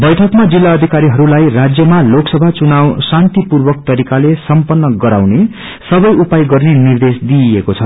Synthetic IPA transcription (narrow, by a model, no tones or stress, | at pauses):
bʌjʈʰʌkmad͡zilːaʌd̪ʱikaɾiɦʌɾulajrad͡zjʌmaloksʌbʱat͡sunawsant̪ipurbʌk̚t̪ʌɾikalesʌmpʌnːʌɡʌɾawne | sʌbʌjupajɡʌrnenird̪esd̪iekot͡sʰʌ